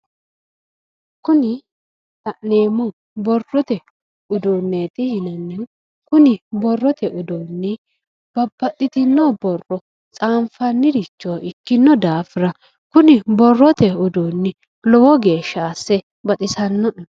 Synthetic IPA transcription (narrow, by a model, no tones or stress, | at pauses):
kʊnɪ | t̪ɐʔneːmʊ | bɔrːɔt̪ɛ | ʊd̪oːnːeːt̪ɪhɪnɐnːɪn | kʊnɪbɔrːɔt̪ɛʔʊd̪oːnːɪ | b̥ɐbːɐt̪ʼːɪt̪ɪnːobɔrːɔ | t͡sʼaːnfɐnːɪd̪ɪt͡ʃːoːɪkːɪnːɔd̪aːfɪɾɐ | kʊnɪbɔrːɔt̪ɛʊd̪oːnːɪ | lɔwɔɡe̞ːʃːaːsːɛ | bɐt̪ʼɪsɐnːɔʔ